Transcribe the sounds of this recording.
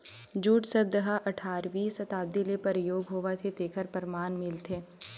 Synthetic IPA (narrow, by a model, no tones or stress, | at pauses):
d͡ʒuːʈsɐbd̪əɦaʔɐʈʰaːɾʋiːsɐt̪aːbd̪ilepɐɾjoːɡɦoːʋat̪ʰet̪eːkʰəɾpəɾmaːnmɪlt̪ʰeː